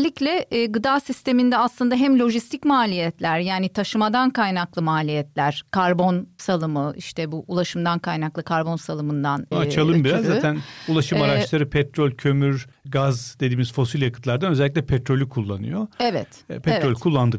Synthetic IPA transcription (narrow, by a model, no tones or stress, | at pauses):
lʲːiclʲɛːɡɯd̪aːsist̪ʰe̞mind̪ɛaslˠɯnd̪aɦæmlʲo̞ʒist̪ʰicmaːlʲijɛt̪lʲæɾjaːnit̪ʰaʃɯmad̪ankajnaklˠɯmaːlʲijɛt̪lʲæɾ̥kʰaɾbo̞nsalˠɯmɯʔiʃt̪ʰɛbuʔulˠaʃɯmd̪ankʰajnaklˠɯkʰaɾbo̞nsalˠɯmɯnd̪anat͡ʃʰalˠɯmbiɾazzːat̪ænulˠaʃɯmaɾat͡ʃlˠaɾɯpʰɛt̪ɾolʲcʰø̞myɾɡazd̪e̞d̪iːmizfo̞silʲjakɯ̥t̪lˠaɾd̪anøzɛlʲːic̬ʲlʲɛpʰɛt̪ɾo̞lʲykʰulˠːanɯ̰joɛvɛ̰t̪pʰɛtɾo̞lʲkʰulˠːand̪ɯ